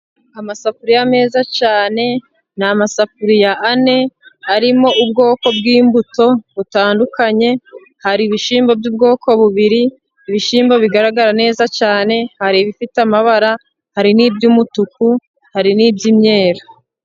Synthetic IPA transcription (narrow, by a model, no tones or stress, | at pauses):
amasafuɾijame̞ːzat͡ʃaːne̞ | namasafuɾijaʔːne̞aɾimo̞ʔub̚ɡo̞ːko̞b̚ɡiːmbuto̞βutaːndukaɲe̞ | haɾiβiʃiːmbobjuːb̚ɡo̞ːkʰo̞βuβiɾiː | βiʃiːmboβiɡaɾaɡaɾane̞ːzat͡ʃaːne̞haɾiβifitamaβaɾa | haɾiniːbɟumutuku | haɾiniːbɟimɲe̞ːɾa